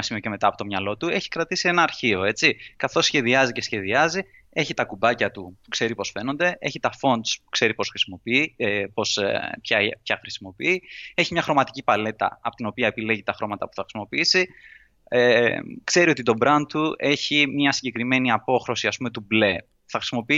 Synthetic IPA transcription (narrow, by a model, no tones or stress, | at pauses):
ɐsimioceme̞t̪ɐːpo̞t̪omɲɐlo̞t̪ue̞çi̥kɾɐt̪isie̞nɐːɾçio̞e̞t͡sikɐθo̞sːçe̞ðiɐzice̞sçe̞ðiɐzi | e̞çit̪ɐkubɐcɐt̪upu̥kse̞ɾipo̞sfe̞nond̪e̞ʔe̞çit̪ɐfo̞nd̪spu̥kse̞ɾipo̞sxɾisimo̞piipo̞spçɐpçɐxɾisimo̞piie̞çimɲɐxɾo̞mɐt̪i̥cipɐle̞t̪ɐ̰ɐpo̞t̪ino̞piɐepile̞ʝit̪ɐxɾo̞mɐt̪ɐpu̥θɐxɾi̥simo̞piisi | ekse̞ɾio̞t̪it̪obɾɐnt̪̚t̪ue̞çimɲɐsiɲɟe̞kɾime̞niɐpo̞xɾo̞siɐspume̞t̪uble̞ | θɐxɾisimo̞pii